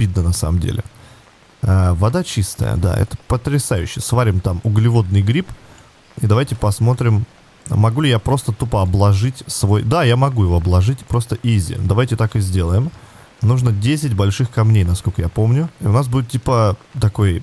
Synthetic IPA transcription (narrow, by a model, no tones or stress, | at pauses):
bʲid̪̚nənɐsa̰məmdʲḛlʲɪ̰ | avɐd̪at͡ɕist̪ə̰jə̰d̪a̰ɛ̰t̪ə̥pət̪ɾʲɪsajʉ̰ɕːɪjəsvaɾʲɪmt̪amʊɡlʲɪvo̞d̪̚nɨjɡɾʲip | id̪ɐvajtʲɪpɐsmo̞t̪ɾʲɪm | mɐɡulʲɪjapɾo̞st̪ət̪upəɐblˠɐʐɨtʲsvo̞jd̪ajamɐɡujɪvo̞ɐblˠɐʐɨtʲpɾo̞st̪əʔizʲɪ̰d̪ɐvajtʲɪt̪akɨzʲdʲe̞lˠəjɪm | nuʐnədʲesʲɪtʲbɐlʲʂɨxkɐmnʲejnɐskolʲkəjapo̞mnʲʊiʊnasbudʲɪt̪tʲːipət̪ɐko̞j